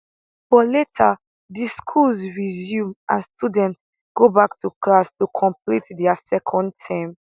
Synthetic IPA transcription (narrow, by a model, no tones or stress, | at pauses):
fɔletʰa | diskʰulzɹizjũmãnstudɛ̃nts | ɡ̥obaktʰuklastukʰɔ̃mplitdɛasɛkʰɔ̃ndtʰãɪm